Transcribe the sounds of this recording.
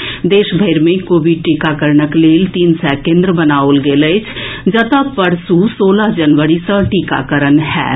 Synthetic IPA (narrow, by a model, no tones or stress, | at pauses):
d̪eːʃbʱəɪɾmẽkoːʋiɖ̚ʈiːkakəɾnəkleːlt̪iːnsɛːkẽːnd̪ɾəbənaːolɡeːləɪt͡ʃʰd͡ʒət̪apəɾsusoːləɦd͡ʒənʋəɾisə̃ʈiːka̰kəɾənɦɛ̰ː